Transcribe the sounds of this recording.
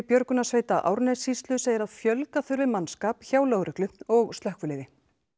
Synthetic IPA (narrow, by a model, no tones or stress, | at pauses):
pjœɾkʏnasveːjt̪aʔa̰wɾnɛsist̪lʏseːjðɪɾaðfjœlkaθʏɾvɪmanskaːpçaːwloɣɾʏhklʏɔɣst̪lœhkvʏlɪːðɪ